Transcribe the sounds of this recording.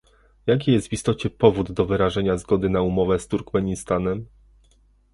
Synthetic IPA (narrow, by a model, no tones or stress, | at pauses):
jak̬ʲijɛst̪vist̪ɔt͡ɕɛpɔvud̪ːɔvɘɾaʐɛɲazɡɔd̪ɘnaumɔvɛst̪uɾkmɛɲist̪anɛm